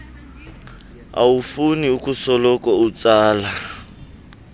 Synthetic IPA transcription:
a̰ufuniukusɔlɔkɔut͡saːla

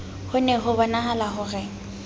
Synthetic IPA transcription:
hʊnɛɦʊbɔnaɦalaɦʊrɛ

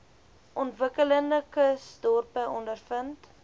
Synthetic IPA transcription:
ʔɔntvəkələndəkəsdɔrpəʔɔndərfənt

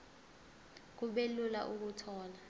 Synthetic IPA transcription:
k̬uɓelulaʔuk̬utʰɔːla

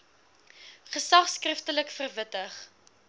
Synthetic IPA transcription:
χəsɐχskrəftələkfərvətəχ

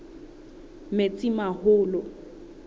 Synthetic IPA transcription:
met͡sʼimahʊːlɔ

